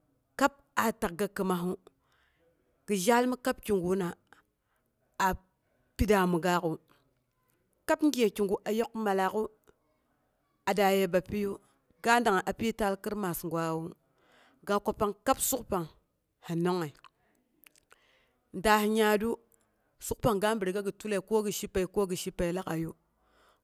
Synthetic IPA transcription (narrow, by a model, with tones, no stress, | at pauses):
ka˦p̚a˨ta˨k̚ɡa˨kə˨ma˨ɦu˦ | ɡ̥i˨ʒa˦lmi˦ka˦p̚kʲi˨ŋɡu˨˦na˨ | a˨ | pi˦da˨mu˨ɡa˦ku˨ | ka˦pŋ˦ɡe˨ki˨ŋɡu˨ʔa˨jo˦kma˨la˨ku˦ | a˨da˨je˨ba˨pi˦ju˦ | ɡa˦n˦da˨ŋa˨ʔa˨pi˦ta˦lki˦ɾma˨sŋɡwa˦wu˦ | ɡa˦ko˨pa˦ŋka˦psu˦kpa˨ŋ | ha˨no˦ŋːa˨ | nda˨hi˨ɲa˦du˦ | su˦k̚pa˨ŋɡa˦mbi˨ɾi˨ɡa˦ɡi˨tu˦le˨ko˦ɡi˨ʃi˦pːe˨i˨ko˦ɡi˨ʃi˦pːe˨˦la˦ka˨ju˦